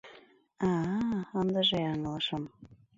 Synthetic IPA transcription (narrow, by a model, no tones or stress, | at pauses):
ɑənd̪əʒeɑŋlɤʃəm